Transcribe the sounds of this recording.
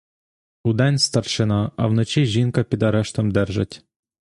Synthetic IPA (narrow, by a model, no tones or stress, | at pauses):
ud̪ɛnʲst̪ɐrʃɪnɑɐ̰wnɔt͡ʃiʒʲinkɐpʲid̪ɐɾɛʃt̪ɔmd̪ɛrʒɐ̰tʲ